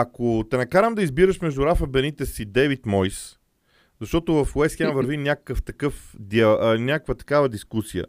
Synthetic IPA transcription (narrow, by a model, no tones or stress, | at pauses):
ɐkot̪ɛnɐkaɾəmd̪ɐizbiɾəʃmɛʒd̪ʊɾafɐbɛnit̪ɛsid̪ɛvit̪mɔjs | zɐʃt̪ɔt̪ovɐfwɛsxʲɛmvəɾvinʲakə̥kəft̪ɐkɤfd̪inʲakəkvət̪ɐ̥kavəd̪iskusiə̰